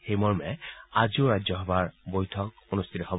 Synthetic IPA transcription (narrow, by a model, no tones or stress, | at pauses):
xejmɔɹmɛad͡ʒioɾad͡ʒjɔɦɔbaɹbojtʰɔk̚ | onust̪ʰit̪ɔɦɔb